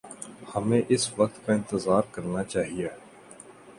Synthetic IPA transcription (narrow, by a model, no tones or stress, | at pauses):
hɐmẽʔɪsʋɐk̚t̪kaɪ̃nt̪əzaːɾkɐɾnat͡ʃaːɦieː